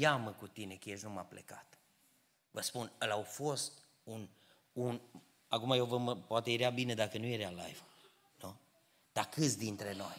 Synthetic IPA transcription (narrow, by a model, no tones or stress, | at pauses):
jaməkut̪ine̞kəjeʃnumaplḛka̰t̪ | vəspunəlawfo̞st̪ | un | un | akumajewvəməpoat̪ejeɾeabine̞d̪akənuje̞ɾeala̰jv | nu | d̪̥akɨt̪sʲd̪int̪ɾe̞no̞j